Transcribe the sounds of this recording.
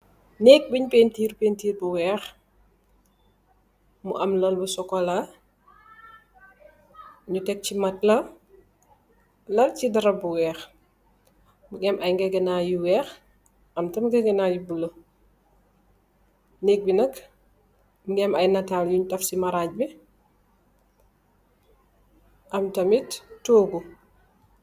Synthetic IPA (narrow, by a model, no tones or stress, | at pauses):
nɛːk̚biɲpeːntiːɾpeːntiːɾbuwɛːx | muʔɐmlɐlbusɔkɔla | ɲutɛk̚cimɐtlɐ | lɐlcidɐɾɐbuwɛːx | muɡɛmʔɐjŋɡɛɡɛnajuwɛːx | ʔɐmtɐmɡɛɡɛnajubulo | nɛk̚binɐk | mɡɛmɐjnataːljuɲutɐfsimaɾaːc̚bi | ʔɐmtɐmittːoːɡu